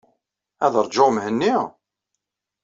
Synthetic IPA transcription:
æðəɾˤd͡ʒomhənːiʁ

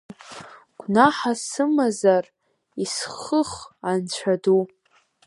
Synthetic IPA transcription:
ɡ̥ʷʰnaħasɨmazar | isχəχant͡ɕʷʰadu

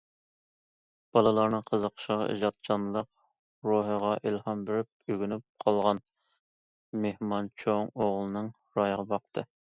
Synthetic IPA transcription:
b̥ɑlˠɨlˠɑɾnɨŋqʰəzəqʰʃʁḭʒɑt̪̚t͡ʃʰɑnlˠəq | ɾoɦəʁɑʔilhɑmbeɾɪp̚øɡʲynyp̚qʰɑlˠʁɑn | mehmɑnt͡ʃʰoŋoʁlˠɨnɨŋ | ɾɑjʁɑbɑq̚t̪ʰɨ

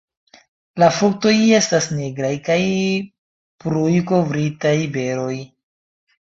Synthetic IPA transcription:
lafuk̚to̞je̞stasneɡɾajkaj | pɾujko̞vɾitajbe̞ɾo̞j

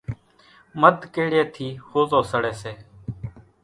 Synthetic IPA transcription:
məd̪ʱkeːɽeːt̪ʰiːhoːzoːsəɽeːseː

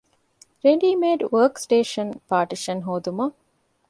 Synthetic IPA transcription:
ɾeɖiːmeːɖʋəːksʈeːʃɐnpaːʈiʃɐnɦoːd̪umɐ

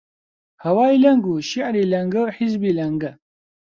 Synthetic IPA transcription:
hɐwaːjlɐŋɡuʃiʕɾiːlɐŋɡɐwħizbilɐŋɡɐ

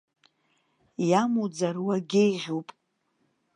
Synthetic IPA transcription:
jamud͡zarwaɡʲejʁʲupʼ

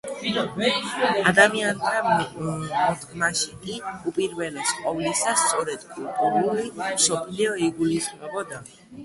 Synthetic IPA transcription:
ad̪amiant̪ʰa | mɔd̪ɡmaʃikʼiupʼiɾvɛlɛsqʼɔvlisast̪sʼɔɾɛd̪̥kʼult̪ʼuɾulimsɔpʰliɔiɡulisχmɛbɔd̪a

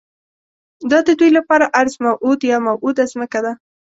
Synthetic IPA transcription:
d̪ɑd̪əd̪ujlapɑɾaʔaɾzmawʔud̪jɑmawʔud̪azməkad̪a

